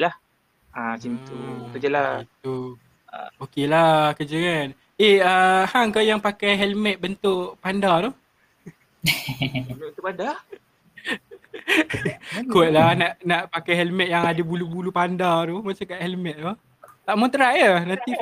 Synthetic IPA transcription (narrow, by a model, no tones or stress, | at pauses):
lah | ʔat͡ʃint̪ukəd͡ʒalait̪u | okelakəd͡ʒakan | ehəhaŋkajaŋpakajɦɛlmɛt̪̚bənt̪ʊʔpandat̪oh | nt̪upada | kuɛt̪̚lahnaʔnaʔpakajɦɛlmɛt̪ʔ̚jaŋadəbulubulupandaɾomat͡ʃakaʔhɛlmɛt̪̚t̪o | t̪aʔmɔnt̪ɾaʔjənant̪i